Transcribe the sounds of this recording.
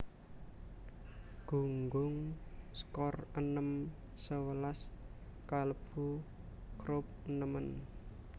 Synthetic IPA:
ɡ̥ṳŋɡʊŋskɔrənəm | səwəlaskaləb̥u | kɾʊp̚ənəmən

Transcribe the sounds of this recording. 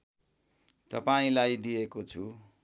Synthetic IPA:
t̪ʌpaĩlajd̪ijekot͡sʰu

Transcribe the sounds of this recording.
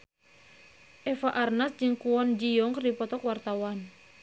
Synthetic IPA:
ʔɛfaʔarnasd͡ʒɨŋkuɔnd͡ʒijɔŋkrdipɔt̪ɔkwart̪awan

